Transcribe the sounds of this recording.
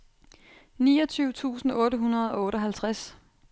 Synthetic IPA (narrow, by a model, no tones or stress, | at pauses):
nḭːɒt͡sʰyːʊt͡sʰṵːsn̩ɔ̽ːɾəɦunɐð̞̩ˠɒ̽ɔ̽ːɾɒɦælt͡sʰʁas